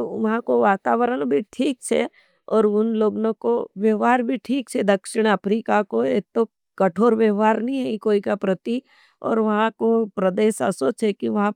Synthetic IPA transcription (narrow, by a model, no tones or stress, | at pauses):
ʋɐɦãkoʋaːt̪aːʋəɾəɽ̃bʱiʈʰiːk̚t͡ʃʰḛ | ɔːɾʊnloːɡnõkoʋjəɦaːɾbʱiʈʰiːk̚t͡ʃʰed̪ɐkʃɪɽ̃əpɾiːkakoeːt̪o | kɐʈʰoːɾʋjəʋɦaːɾnɐɦĩɦɛikoːikapɾɐt̪i | ɔ̰ːɾʋɐɦãkopɾɐd̪eːʃɐ̰sot͡ʃʰekiʋɐɦã